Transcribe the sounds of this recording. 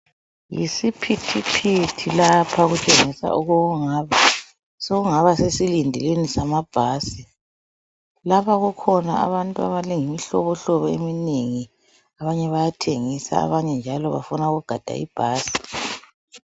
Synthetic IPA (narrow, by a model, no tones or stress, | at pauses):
jḭsipʰitʰipʰitʰilapʰaɣutʰeŋisa̰ʔuɣɔɣuŋaːβa | soɣuŋaβasesilindʱilenisamab̥ʱaːsi | laβaɣukʰɔnaa̰βantʼua̰βalɛŋimiɬɔβɔɬɔβɔḛmineŋi | aβaɲɛβajatʰeŋisa̰a̰βaɲɛnd͡ʒʱalɔβa̰funaɣuɡ̥ʱad̥ʱa̰ḭb̥ʱaːsi̥